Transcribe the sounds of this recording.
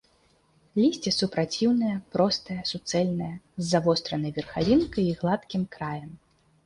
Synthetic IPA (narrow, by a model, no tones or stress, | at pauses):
lʲisʲt͡sʲisupɾat͡sʲiwnɐjɐpɾɔst̪ɐjɐsut̪sɛlʲnɐjɐzːavɔst̪ɾɐnɐjvʲɛrxalʲinkɐjiɣlˠat̪kʲimkɾajɐm